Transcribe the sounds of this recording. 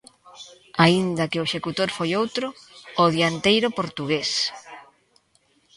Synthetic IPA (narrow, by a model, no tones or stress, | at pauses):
aind̪ɐkɪʊʃekut̪oɾfojowt̪ɾʊːðjant̪ejɾʊpoɾt̪uɣes